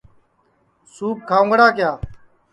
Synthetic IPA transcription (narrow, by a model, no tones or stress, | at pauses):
suːp̚kʰaːõːɡəɽaːkɪjaː